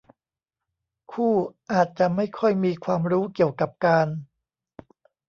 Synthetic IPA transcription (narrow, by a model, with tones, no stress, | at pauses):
kʰuː˥˩ʔaː˨˩t̪̚t͡ɕa˨˩ʔma˥˩jkʰɔ˥˩jmiː˧kʰwaː˧mɾuː˦˥ki˨˩əwka˨˩p̚kaː˧n